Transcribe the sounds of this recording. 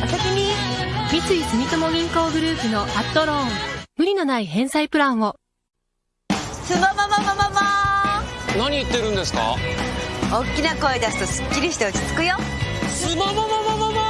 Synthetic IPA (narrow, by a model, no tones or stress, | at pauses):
asaɕiɲʲimʲit͡sɨisɨmʲit̪omoɡʲĩŋko̞ːɡɯ̟ɾɯ̟ːpɯ̟no̞ʔat̪ːo̞ɾõŋmɯ̟ɾʲino̞naiɦẽ̞ɰ̃saipɯ̟ɾãɰ̃βo̞ | sɨmamamamamama | naɲ̟iɯ̟t̪ːeɾɯ̟̃nd̪esɨ̥ka̰ | okʲːinakoid̪asɨ̥t̪o̞sɨ̥kʲːiɾʲiç̥t̪oɯt͡ɕi̥t͡sɨ̥kɯ̟jo | sɨmamamamamama